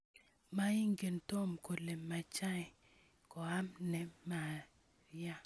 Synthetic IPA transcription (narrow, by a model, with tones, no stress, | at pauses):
ma˦i˦ŋɡe˨nto˦mko˨le˨mːa˨t͡ʃa˦ɪ˨ | kɔ˨a˦mnɛ˨mːa˨ | ja˦